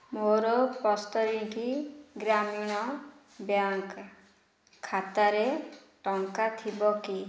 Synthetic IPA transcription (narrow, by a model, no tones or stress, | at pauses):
moɾɔpɔst̪ɔɾikiɡɾamiɽ̃ɔ | bjaŋkʰ | at̪aɾe | ʈɔŋkat̪ʰibɔki